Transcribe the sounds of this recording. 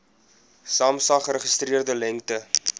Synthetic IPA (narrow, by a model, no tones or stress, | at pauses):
sɑːmsɐχəɾəχəst̪riərdəlɛŋktə